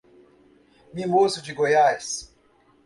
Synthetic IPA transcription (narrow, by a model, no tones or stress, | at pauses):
mĩmosʊd͡ʒiɡojajs